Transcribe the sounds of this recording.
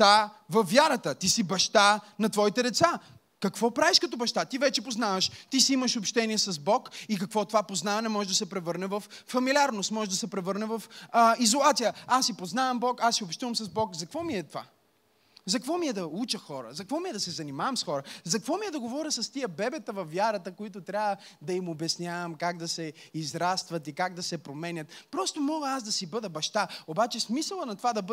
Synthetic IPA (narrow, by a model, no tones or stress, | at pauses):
avɐfvʲjaɾət̪ət̪isibɐʃt̪anɐt̪vɔit̪ɛd̪ɛt̪sa | kɐkvɔpɾaviʃkɐt̪ɔbɐʃt̪at̪ivɛt͡ʃɛpoznavəʃt̪isiiməʃopʃt̪ɛniɛsɐzbɔkikɐkvɔt̪ovapoznavɐnɛmɔʒɛʒd̪ɐsɛpɾɛvɤɾnɛvɐfːɐmilʲiaɾnost̪mɔʒɛʒd̪ɐsɛpɾɛvɤɾnɛvɐfizolˠat̪sijəasːipoznavɐmbɔkasːiopʃt̪uvəmsɐzbɔkzɐkvɔmiɛt̪ova̰ | zɐkvɔmiɛd̪ɐut͡ʃəxɔɾə̰zɐkvɔmiɛd̪ɐsɛzɐnimavɐmsxɔɾəzɐkvɔmiɛd̪ɐɡovɔɾʲəsɐst̪ijəbɛbɛt̪əvɐfːjaɾət̪əkoit̪̬ʊt̪ɾʲavəd̪ɐimobɛsnʲavɐmkaɡ̚d̪ɐsɛizɾast̪vɐt̪ikaɡ̚d̪ɐsɛpɾomɛnʲət̪pɾɔst̪omɔɡəaz̬d̪ɐsibɤd̪ɐbɐʃt̪aobat͡ʃɛsmisəlˠɐnɐt̪vad̪ɐbə